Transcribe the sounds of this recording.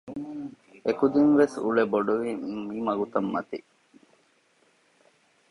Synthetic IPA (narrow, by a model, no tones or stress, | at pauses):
ekud̪inʋesṵɭeboɖuʋimimɐɡut̪ɐmːɐt̪i